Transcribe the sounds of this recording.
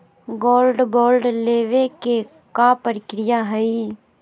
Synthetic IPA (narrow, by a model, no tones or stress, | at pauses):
ɡoːlɖboːlɖleːʋeke | kapɾɪkɾɪjaɦəi